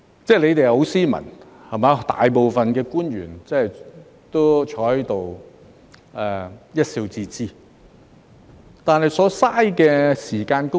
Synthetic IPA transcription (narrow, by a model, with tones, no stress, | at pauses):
t͡sɛː˥˩le˨˧jt̪e˨jho˨˧˥wsiː˥mɐ̰˨˩n | hɐ˨˩maː˨˧˥t̪a̰ː˨jpo˨wfɐ˨nkɛː˧kuː˥njy̰ː˨˩nt͡sɐ˥hɐ˨j | t̪o˥t͡ʃʰɔː˨˥jt̪o˨w | ʔɛ˨˩jɐ˥t̚siː˧wt͡siː˧t͡siː˥ | t̪aː˨nɦɐ˨jsɔː˨˧˥saː˥jkɛː˧siː˨˩kaː˧nkʊ˥